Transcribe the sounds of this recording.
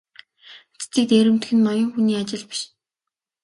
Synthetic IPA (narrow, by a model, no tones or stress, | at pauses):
t͡st͡s̪iːk̚t̪eːɾɘ̆mt̪̆xɘ̆nmɔjɞ̆ŋxuniːat͡ɕɪ̆ɮpi̥ʃ